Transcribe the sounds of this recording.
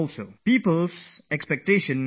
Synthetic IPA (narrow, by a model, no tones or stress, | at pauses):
ɔlsopiːpəlsɛkspɛk̚teːʃə̃n